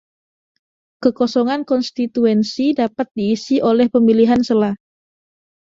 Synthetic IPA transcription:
kəkosɔŋankɔnst̪it̪uɛnsidapat̪̚diːsiʔolɛhpəmiliɦansəlah

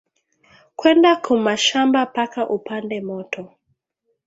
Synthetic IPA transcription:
kwɛndakʰumaʃambapakaʔupandɛmɔtʰɔ

